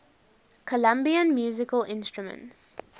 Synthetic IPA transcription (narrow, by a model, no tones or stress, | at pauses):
kʰəlãmbiə̃nmjuːzɪkəlɪ̃nstɹumə̰̃nts